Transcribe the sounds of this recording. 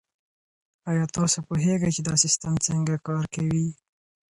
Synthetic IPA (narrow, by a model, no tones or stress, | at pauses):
ɑjɑt̪osapuɦeɡajt͡ʃed̪ɑsɪst̪amt͡səŋɡakɑɾkawi